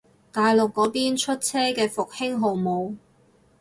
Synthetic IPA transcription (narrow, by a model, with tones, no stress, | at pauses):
t̪aː˨jlʊ˨kːɔː˨˥piː˥nt͡ʃʰɵ˥t̚t͡sʰɛː˥kɛː˧fʊ˨k̚hɪ˥ŋɦo˨wmo˨˧w